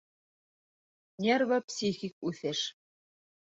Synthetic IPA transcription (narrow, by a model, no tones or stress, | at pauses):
nʲervopsʲixʲik̚ʉθɘʃ